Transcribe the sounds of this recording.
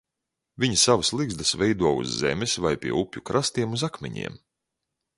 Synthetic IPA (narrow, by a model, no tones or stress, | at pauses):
vʲiɲisavaslˠiɡzd̪ɨsvɛjd̪uɔṵzːɛ̰mɪsvajpʲiɛupʲjukɾʔast̪iɛmuzakmʲɛ̰ɲḭɛm